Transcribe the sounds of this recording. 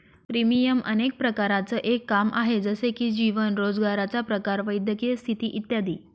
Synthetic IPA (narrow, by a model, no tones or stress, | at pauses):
pɾimijəmə̰nek̚pɾəkaɾat͡səːʔekːamʔa̰ɦed͡zəsekiːd͡ʑiʋənɾod͡zɡaɾat͡sapɾəkaɾʋəjd̪jəkiest̪ʰit̪iːʔit̪jad̪iː